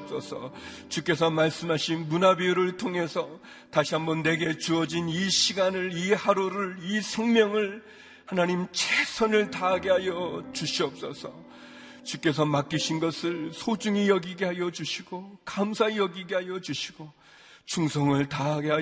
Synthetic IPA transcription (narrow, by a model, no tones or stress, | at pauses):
p̚s͈ʌsʰʌ̰t͡ɕuk͈e̞s̬ʰʌmaɭs͈ɯmɦaɕʰinmunabiuɾɯɭtʰoŋe̞sʰʌ | taɕʰiɦambʌnːe̞ɡe̞t͡ɕuʌd͡ʑiniɕʰiɡanɯɭihaɾoɾɯɭisʰeŋmjʌŋɯɭ | hanaɲimt͡ɕʰesʰʌnɯɭtaɦaɡeɦajʌt͡ɕuɕʰiʌp̚s͈ʌsʰʌ | t͡ɕuk͈e̞s̬ʰʌmak͈iɕʰinɡʌsʰɯɭsʰod͡ʑuŋijʌɡiɡe̞ɦajʌd͡ʑuɕʰiɡ̥okamsʰajʌɡiɡeɦajʌd͡ʑuɕʰiɡ̥o | t͡ɕʰuŋsʰʌŋɯɭtaɦaɡeɦa